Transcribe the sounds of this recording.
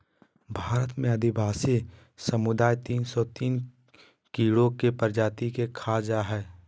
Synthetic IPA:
bʱaːɾət̪mẽɐd̪ʱɪbaːsi | səmʊd̪aːjt̪iːnsɔt̪iːn | kiːɽõkepəɾd͡ʒaːt̪ikekʰad͡ʒaɦɛː

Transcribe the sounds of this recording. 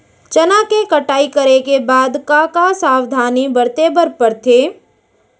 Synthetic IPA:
t͡ʃɐnakekɐʈaːikɐəɾekebaːd̪kakasaːwd̪ʱaːnibəɾt̪eːbəɾpəɾt̪ʰeː

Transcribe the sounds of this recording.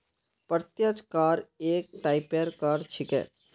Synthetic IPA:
pəɾt̪jət͡ʃkaːɾeːk̚ʈaːɪpeɾkaːɾt͡ʃʰɪkɦɛ̰ː

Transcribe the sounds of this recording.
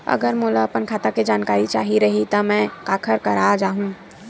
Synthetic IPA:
ə̰ɡəɾmulaəpənkʰaːt̪aked͡ʒaːnkaːɾit͡ʃaɦiɾəɦit̪əmɛ̃kaːkʰəɾkəɾad͡ʒaːɦũ

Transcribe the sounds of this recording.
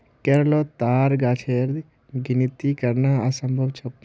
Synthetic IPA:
keɾlot̪aːɾɡaːt͡ʃʰeːɾd̪ | ɡinit̪ikɐɾnaɐsɐ̃mbʱəbt͡ʃʰɐp

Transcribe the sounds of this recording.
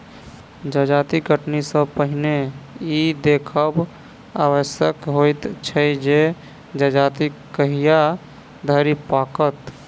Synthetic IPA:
d͡ʒəd͡ʒat̪iɡʱəʈnisəpəɦneid̪ekʰəb | a̰wəsjəkɦojt̪t͡ʃʰəd͡ʒe | d͡ʒəd͡ʒat̪ikəɦija | d̪ʱəɾipakət̪

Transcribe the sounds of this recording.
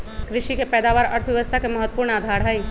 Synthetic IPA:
kɾɪʃikepɛːd̪aːʋaːɾɐ̰ɾt̪ʰʋeʋəst̪ʰakemɐɦət̪wəpuːɾɳaːd̪ʱaːɾɦɛi

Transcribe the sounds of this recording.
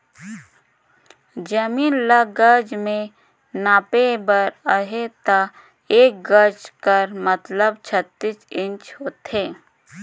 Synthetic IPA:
d͡ʒəmiːnlaɡəɾd͡ʒmẽ | naːpebəɾaɦet̪a | eːk̚ɡəɾd͡ʒkəɾmət̪ləbt͡ʃʰət̪ːɪt͡ʃɪ̃nt͡ʃɦoːt̪eː

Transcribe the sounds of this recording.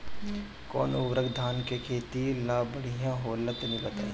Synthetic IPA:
kɔ̰ːnoʋɾəɡd̪ʱaːnkekʰeːt̪ilaːbəɽ̤ijãɦoːlət̪nĩbɐt̪a̰ːe

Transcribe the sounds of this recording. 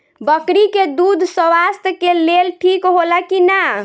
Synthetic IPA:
bəkɽiked̪ud̪ʱsəwast̪kelelʈʰikɦolakina

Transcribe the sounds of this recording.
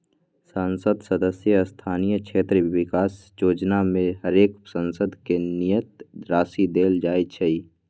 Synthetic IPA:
sansəd̪səd̪əsjəst̪ʰaːnijəkʃʰeːt̪ɾəwɪkaːs | joːd͡ʒnamẽɦəɾeːksə̃nsəd̪ʱkenijət̪̚ɾaːsid̪eːld͡ʒaːet͡ʃʰɛi

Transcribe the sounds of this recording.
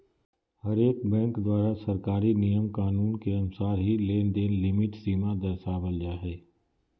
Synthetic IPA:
hɐɾeːkbɛ̃ːŋkd̪waːɾasɐɾkaːɾinijəmkaːnuːnkeɐnʊsaːɾɦileːnd̪eːnlɪmɪʈsiːmad̪ɐɾsaːbəld͡ʒaɦɛː

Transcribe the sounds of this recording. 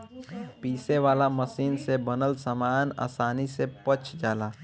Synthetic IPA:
piːseʋaːlaməsiːnsebənəlsamaːna̰ːsaːnisepət͡ʃʰd͡ʒaːlaː

